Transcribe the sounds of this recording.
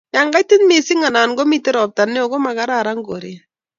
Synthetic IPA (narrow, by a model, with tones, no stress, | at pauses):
ja˨ŋɡa˦jtɪ˦nmi˨si˦ŋa˨na˨nɡo˦mi˦˨te˦ɾɔ˨p̚ta˨nːɛ˦o˨ko˦ma˨ka˦ɾaɾa˦ŋɡo˨ɾi˨